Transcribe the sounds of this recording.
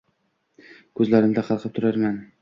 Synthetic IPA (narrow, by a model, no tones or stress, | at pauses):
kʰɵzlaɾɪmd̪aqʰɑlˠqʰɨp̚t̪ʰʊɾaɾmʲan